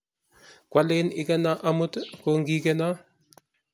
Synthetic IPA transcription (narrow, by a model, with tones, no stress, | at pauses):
kwa˦le˦nɪ˦kɛ˦na˦ʔa˦mu˦tkoŋɡi˦kɛ˦na˦